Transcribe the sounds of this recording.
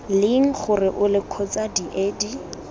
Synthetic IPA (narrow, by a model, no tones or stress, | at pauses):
lɪŋ̩χʊrɪʔʊlɪkʰɔt͡sadiʔeːdi